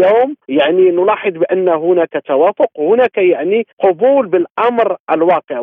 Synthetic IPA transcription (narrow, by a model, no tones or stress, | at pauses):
aːmjaʕninʊlɑħəd̪ˤbəʔənːahʊnæːkat̪awæːfʊqwhʊnæːkajaʕniqʊbuːlbəlʔɑmɾʔəlwɑːqəʕ